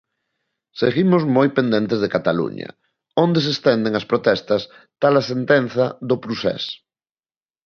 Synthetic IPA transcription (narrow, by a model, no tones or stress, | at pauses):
seɣimʊzmojpẽnd̪ẽnt̪ezðekat̪alṵɲɐ̰ | õnd̪es̬est̪ɛnd̪eŋaspɾot̪ɛst̪ɐs | t̪alɐsent̪enθɐðopɾusɛ̰s